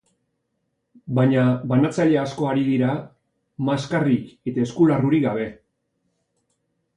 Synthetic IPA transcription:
baɲaβanat͡saʎe̞asko̞aɾiðiɾa | maskarike̞t̪ae̞skularuɾiɡaβ̞e̞

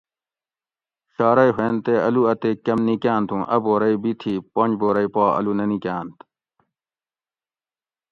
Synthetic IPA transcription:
ɕaːɾɐiɦwẽːnt̪eɐluɐt̪eːkɐmnikjaːnt̪ʰũʔɐboːɾɐibit̪ʰipoɲd͡ʑboːɾɐipaːɐ̰lunɐnikʲãːnt̪

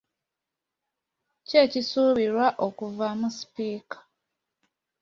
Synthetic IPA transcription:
cecisuːβiɾwaʔokuvamusi̥piːkḁ

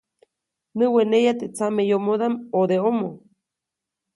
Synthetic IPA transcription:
nɨwenejat̪et͡samejomoðamod̪eomo

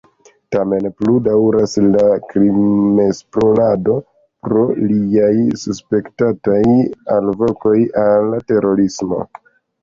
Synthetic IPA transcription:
tame̞npludawɾaslakɾimespɾolado̞ | pɾo̞liajsuspe̞ktatajalvo̞ko̞jalːate̞ɾo̞ɾismo̞̰

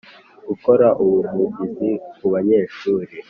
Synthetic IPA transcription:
ɡ̥uko̞ɾaʔuβumuɡizikuβaɲe̞ːʃuːɾe

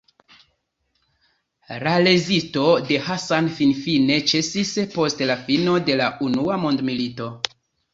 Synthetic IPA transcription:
ɾale̞zito̞de̞hasanfinfine̞t͡ʃe̞sispo̞stlafino̞de̞launuamo̞ndmilito

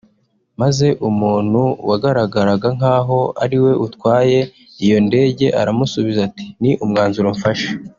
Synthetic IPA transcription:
maze̞ʔumuːn̥huwaɡaɾaɡaɾaɡaŋ̥aːɦo̞a̰ɾiwe̞ʔutkwaːje̞ | ijo̞nde̞ːɟe̞ʔa̰ɾamusuβizati̥niʔumŋaːnzuɾoɱfaʃḁ

